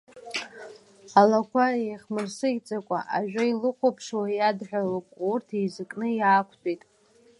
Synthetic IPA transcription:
alakʷʰaejχmɨrsɨit͡sʼakʷʼa̰ʔaʒᶣailɨχʷʰopʰʂwajadħʷᶣalokʼurtʰizɨkʼnɨjaːkʷʰtʼitʼ

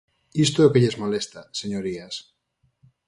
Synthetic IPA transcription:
ist̪ookeʎezmolest̪aseɲoɾias

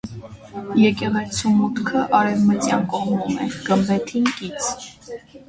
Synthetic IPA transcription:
jɛkʼɛʁɛt͡sʰumut̪kʰəʔɑɾɛvmət͡sjɑnkʼɔʁmumɛɡ̥əmbɛt̪ʰinkit͡sʰ

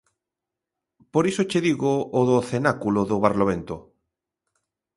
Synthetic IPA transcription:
poɾisot͡ʃeðiɣoːðoθenakuloðoβaɾloβent̪o̰

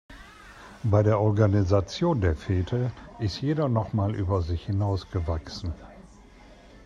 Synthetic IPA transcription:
baɪɾeːɐʔɔɐɡanizat͡sjoːndeːɐfɛːtʰəʔɪstjeːɾɐnɔχmaːlʔy̰ːbɐzɪçhɪnaʊsɡ̥əvaksn̩

